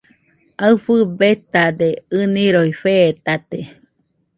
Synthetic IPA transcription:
aɨɸɨbet̪ad̪eɨniɾoifeːt̪at̪e

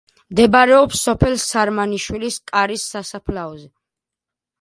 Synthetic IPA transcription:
md̪ɛbaɾɛɔpsːɔpʰɛlˠsaɾmaniʃwiliskʼaɾisːasapʰlaɔzɛ

